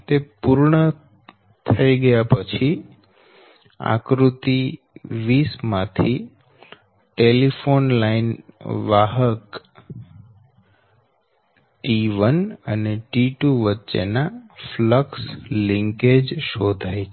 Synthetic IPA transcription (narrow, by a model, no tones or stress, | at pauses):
t̪epuɾɳə | t̪ʰəiɡəjapət͡ʃʰi | a̰kɾut̪i | ʋismãt̪ʰi | ʈelifonlainʋaɦək | ʈiʋənəneʈiʈuʋətːʃḛnafləksliŋked͡ʒʃod̪ʱajt͡ʃʰe